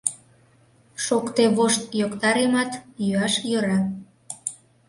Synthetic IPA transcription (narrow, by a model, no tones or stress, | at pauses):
ʃokt̪eβoʃt̪jokt̪ɑɾemɑt̪jyɑʃjøɾɑ